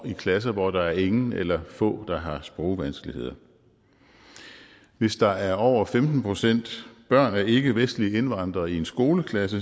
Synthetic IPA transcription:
ikʰlæs̬ɐʋɒd̥ɑ̈æɐe̝ŋn̩elɐfɔ̰̽ːd̥ɑ̈ɦɑ̈sb̥ʁɔʊʋænsɡ̥əlihe̝ð̰ˠɐ | ʋe̝sd̥ɑ̈æɐɒʊ̰ɐfemd̥n̩pʰo̝sen̰d̥b̥ɶɐ̰næɐe̝ɡ̥əʋesd̥lie̝nʋɑ̈n̰d̥ʁɐːie̝nsɡ̥o̝ːləkʰlæs̬ə

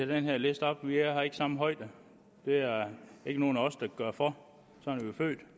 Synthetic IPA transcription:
æd̥enɦeɐ̰lesd̥ɒ̽b̥ʋihɑ̈e̝ɡ̥əsɑ̈m̰̩ɦɒ̽ɪd̥ə | d̥e̝æɐe̝ɡ̥əno̝ːn̩æɒ̽sd̥ɑ̈ɡ̥ɶɐ̰fɒ | sɒ̽ɑnʋiofø̰ːd̥

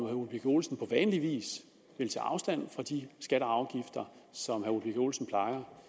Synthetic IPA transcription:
mhæulb̥iɡʰo̝ːlsn̩pʰɒ̽ʋɛːnliʋḭːs | ʋe̝lt͡sʰɛ̰ːɑ̈ʊsd̥æn̰fʁɑ̈d̥isɡ̥æɾ̥əɑ̈ʊɡ̥ifd̥ɐsɒ̽mɦæulb̥iɡ̥o̝ːlsn̩pʰlɑ̈ɪɐ

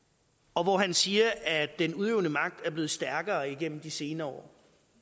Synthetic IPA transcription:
ɒ̽ʋɒɦænsiːɐʔæd̥ːenuð̞ˠeʊnəmɑ̈ɡ̥̚d̥æɐb̥le̝ːð̩ˠsd̥æɐɡ̥ɐːiɡ̥en̰m̩d̥ise̝ːnɐɒ̰ː

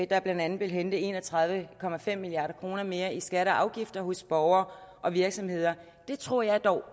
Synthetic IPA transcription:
d̥ɑɐb̥lænd̥ænð̩ˠʋe̝lɦend̥əe̝̰ːnɒt͡sʰʁɑ̈ð̞ˠʋəkʰɒ̽mæfem̰ːiliɑ̈ːɾɐkʰʁo̝ːnɐme̝ːɐʔisɡ̥æɾəʔɑ̈ʊɡ̥ifd̥ɐhɔ̽sb̥ɒʊɐːʔɒ̽ʋiɐɡ̥sɒ̽mhe̝ð̞̰ˠɐ | d̥e̝t͡sʰʁo̝ɐ̰jɑ̈ɪd̥ɒʊ

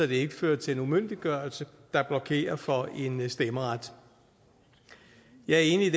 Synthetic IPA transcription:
ɒd̥e̝e̝ɡ̥əføːɐ̰d̥̚t͡sʰe̝le̝numøn̰d̥iɡ̥ɶɐ̰ɐlsəd̥ɑ̈b̥lɒ̽kʰe̝̰ːɐfɒ̽ʔe̝nsd̥emɐʁad̥ | jɑ̈ɪæɐe̝̰ːniid

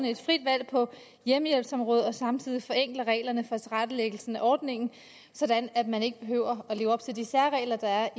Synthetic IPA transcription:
nəe̝d̥fʁid̥ʋæl̰pʰɒ̽ | jeməjelb̥sɒ̽mʁɔ̽ːðˠɒ̽sɑ̈mt͡sʰið̞̰ˠifɒ̽eŋ̰ɡ̥lɐʁɛ̰ːɪlɐnəfɒ̽æt͡sʰʁad̥əleɡ̥l̩sn̩æʔɒːd̥ne̝ŋ̰n̩ | sɒ̽d̥ænæd̥mæne̝ɡ̥əb̥e̝ɦø̰ʊ̰ɐɒle̝ːʊɒ̽b̥t͡sʰe̝ld̥isæɐʁɛ̰ːlɐd̥ɑ̈æɐ

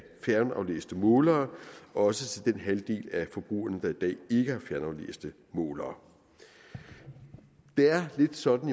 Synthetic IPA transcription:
fjæɐnɑ̈ʊlḛːsd̥əmɔ̽ːlɐːɒ̽sət͡sʰe̝ld̥enɦæld̥e̝̰ːlæfɒ̽b̥ʁṵːɐnəd̥ɑ̈id̥ɛ̰ːe̝ɡ̥əhɑ̈fjæɐnɑ̈ʊlḛːsd̥ə | mɔːlɐː | d̥e̝æɐle̝d̥sɒ̽d̥n̩

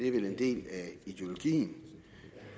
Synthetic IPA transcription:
e̝ʋelend̥e̝̰ːlæid̥eo̝lo̝ɡ̥ḭːn̩

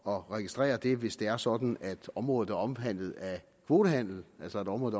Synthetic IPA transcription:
ɒ̽ʁɛɡ̥isd̥ʁɛ̰ːɐd̥e̝ʋe̝sd̥e̝æɐsɒ̽d̥n̩æd̥ɒ̽mʁɔ̽ːð̩ˠæɐɒ̽mfæn̰ð̩ˠæ | kʰʋo̝ːd̥əɦæn̰l̩ælsɒedɒ̽mʁɔːð̩ˠ

